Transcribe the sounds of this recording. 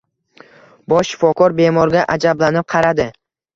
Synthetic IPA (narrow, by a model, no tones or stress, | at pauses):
bɒʃːɪ̥fɒkɒɾbe̞mɒɾɡʲaʔad͡ʒablanɪp̚qʰɑɾad̪ɪ